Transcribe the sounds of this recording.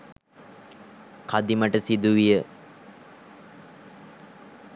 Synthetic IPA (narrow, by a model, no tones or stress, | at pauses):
kad̪iməʈəsid̪uʋijə